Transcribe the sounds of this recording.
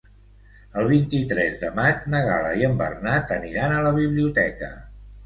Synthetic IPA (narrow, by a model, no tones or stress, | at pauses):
əlˠβ̞int̪it̪ɾɛzðəmad͡ʒnəɣa̰ləiəmbə̰rnat̪əniɾanələβ̞iβliut̪ɛkə̰